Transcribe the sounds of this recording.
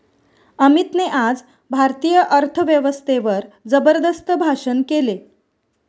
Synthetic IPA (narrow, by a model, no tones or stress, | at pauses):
əmit̪neʔad͡z | bʱaɾt̪ijəʔəɾt̪ʰəʋjəʋəst̪ʰeʋəɾd͡zəbəɾd̪əst̪ʰəbʱaʂənkele